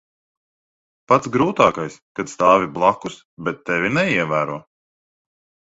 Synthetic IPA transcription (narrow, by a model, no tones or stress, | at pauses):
pat̪sɡɾuːt̪aːkajskat̪st̪aːvʲiblˠakus | bɛt̪ːɛvʲinɛiɛvæːɾuɔ